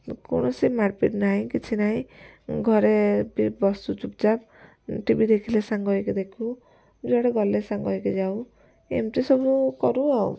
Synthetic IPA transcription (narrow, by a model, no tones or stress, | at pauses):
ko̰ñɔsimaɾpḭʈnaɦĩkit͡ʃʰinaɦĩɡʱɔɾepibɔst̪ut͡ʃup̚d͡ʒab̚ | ʈibid̪ekʰilesaŋɡɔɦjked̪ekʰu | d͡ʒoaɽeɡɔlesaŋɡɔɦjked͡ʒaw | ḛmt̪esɔbukɔɾuaw̰